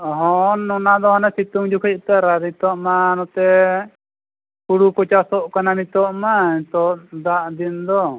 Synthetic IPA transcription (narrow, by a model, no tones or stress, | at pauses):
ɦɔnːɔnad̪ɔɔnɛsit̪uŋd͡ʒukʰic̚t̪ɛɾaɾmit̪ɔʔmanɔt̪ɛ | kuɽukɔt͡ʃasɔʔkanamit̪ɔʔmait̪ɔʔd̪aʔd̪ind̪ɔ